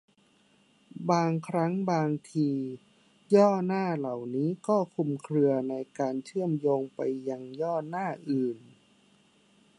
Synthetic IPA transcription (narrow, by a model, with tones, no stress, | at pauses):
baː˧ŋkʰɾa˦˥ŋbaː˧ŋt̪ʰiː˧ | jɔː˥˩naː˥˩la˨˩wniː˦˥kɔː˥˩kʰu˧mkʰɾɯ˧ɐna˧jkaː˧nt͡ɕʰɯ˥˩əmjoː˧ŋpa̰˧jːa˧ŋjɔː˥˩naː˥˩ʔɯː˨˩n